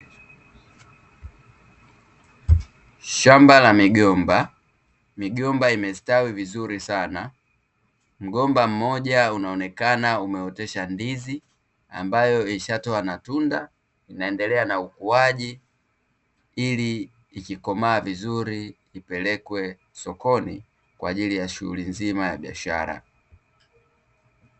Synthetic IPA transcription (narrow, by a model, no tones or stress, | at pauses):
ʃambalamiɡɔmba | miɡɔmbaimɛstawivizuɾisana | m̩ɡɔmbam̩mɔʄaunaɔnɛkanaumɛɔtɛʃandizi | a̰mbajɔiʃatɔanatunda | inaɛndɛlɛanaukuaʄi | iliː | kikɔmaːvizuɾi | ipɛlɛkwɛ | sɔkɔnḭ | kwa̰ːʄilijaʃuṵlinzimaja̰ɓia̰ʃa̰ɾa̰